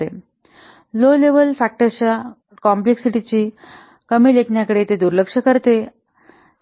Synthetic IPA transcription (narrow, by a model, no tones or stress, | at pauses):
e | loleʋəlfæk̚ʈəɾt͡ɕa | kɔmpleksiʈit͡ɕiː | kəmiːlekʰɳjakəɽet̪ed̪uɾləkʂəkəɾt̪e